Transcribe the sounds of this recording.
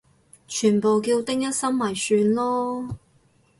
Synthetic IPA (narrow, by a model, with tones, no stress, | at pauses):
t͡ʃʰyː˨˩npo˨wkiː˧wt̪ɪ˥ŋjɐ˥t̚sɐ˥mmɐ˨˩jsyː˧nlɔː˥